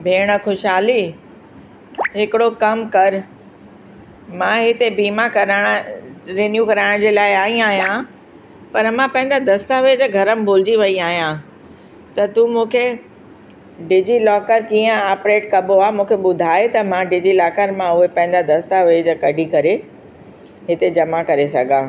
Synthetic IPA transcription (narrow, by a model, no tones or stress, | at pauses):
bʱeːɽ̃ə̆xʊʃɦaːli | ɦɪkɪɽokɐmkɐɾ | mãɦɪt̪ebiːmakɐɾaɽ̃ɾeːnjukɐɾaːɪɽ̃d͡ʑeːlaːɪaːɦĩaːɦijã | pɐɾmãpɐ̃ɦɪ̃nd̪ad̪ɐst̪aʋeːd͡ʑɡʱɐɾəmɪ̆bʊːld͡ʑiʋɐiaːɦijã | t̪ɐt̪ũmũːkʰe | ɖɪd͡ʑilɔːkəɾkĩːə̃aːpɾeːʈkɐboaːmũːkʰeɓʊd̪ʱaːet̪ɐmãɖɪd͡ʑilaːkəɾmãʊɦepɐ̃ɦɪ̃n̆d̪ad̪ɐst̪aʋeːd͡ʑkɐɖʱikɐɾe | ɦɪt̪ed͡ʑɐmakɐɾesɐɡʱãː